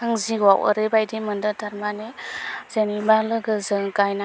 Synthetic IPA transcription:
ɯŋziwawə̰ɾebajdimɯndɯtaɾmanez̥enibalɯɡɯzɯŋɡajna

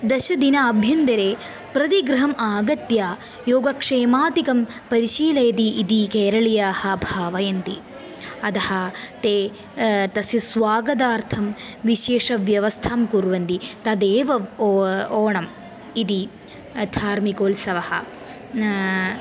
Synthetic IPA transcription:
d̪ɐʃɐd̪inɐɐbʱjɐnd̪ɐɾeː | pɾɐt̪iɡɾɐɦɐmʔaːɡɐt̪jaː | joːɡɐkʂeːmaːt̪ikɐm | pɐɾiʃiːlɐjɐt̪iʔid̪ikeːɾɐɭijaːhɐbʱaːʋɐjɐnt̪i | ɐd̪ɐhɐ̆t̪eː | t̪ɐsjɐsʋaːɡɐd̪aːɾt̪ʰɐmʋiʃeːʂɐʋjɐʋɐst̪ʰaːmkuɾʋɐnt̪it̪ɐd̪eːʋɐ | oːɳɐm | id̪i | d̪ʱaːɾmikoːlsɐʋɐhɐ̰

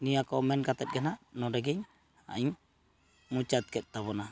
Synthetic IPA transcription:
nijakɔmɛnkat̪ɛt̪̚ɡɛnanɔdɛɡɛɲ | a̰iɲ | mut͡ʃat̪̚kɛt̪̚ˀt̪aβɔna

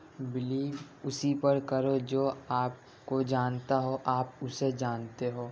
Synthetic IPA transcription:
bɪliːb | ʊsipɐɾkɐɾod͡ʒoːaːp̚ | kod͡ʒaːnt̪aɦoʔaːpʊsed͡ʒaːnt̪eɦoː

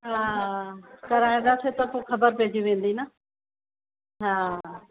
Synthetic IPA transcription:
ɦaː | kɐɾaːĩd̪asʰet̪ɐpõkʰɐbəɾpeːd͡ʑiʋẽːn̆d̪ina | ɦaː

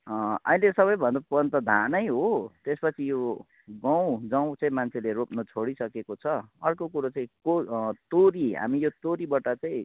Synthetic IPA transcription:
ʌ̰ĩlesʌβʌjbʱʌnd̪apʌnt̪ʌd̪ʱanʌjɦot̪espʌt͡sʰijo | ɡʌ̃w̃d͡zʌw̃t͡sʌĩmant͡sʰeleropnʌt͡sʰoɽisʌkekot͡sʰʌʌrkokuɾat͡saĩkot̪oɾiɦa̰mijot̪oɾibʌʈat͡saĩ

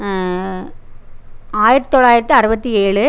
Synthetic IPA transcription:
aːjɪɾɐt̪ːɪt̪ːɔɭaːjɪɾɐt̪ːɯɐɾɯbɐt̪ːieːɭɯ

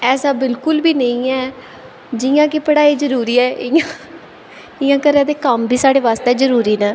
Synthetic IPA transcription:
ɛːsaːbɪlkʊlbiːnəĩːɛː | d͡ʒɪjãːkɪpəɽaːiːzəɾuːɾiːɛːʔɪjãː | ɪjãːkəɾãːd̪eːkəmbʱiːsaːɽeːʋaːst̪ɛːzəɾuːɾiːnãː

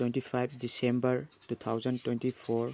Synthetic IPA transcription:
wenʈipʰajb̚disembəɹtut̪ʰawzəntwẽntipʰɔɹ

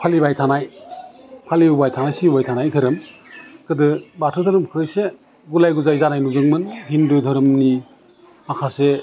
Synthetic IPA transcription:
pʰalibajtʰanaj | pʰaliubajtʰanajsibajtʰanajtʰɯɾɯmkɯdɯbatʰɯtʰɯɾɯmkʰɯse | ɡulajɡuzajzanajnuzɯŋmɯnhindɯtʰɯɾɯmni | makʰase

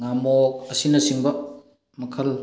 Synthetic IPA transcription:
ŋamok̚ɐsinɐsiŋbɐ | mɐkʰɐl

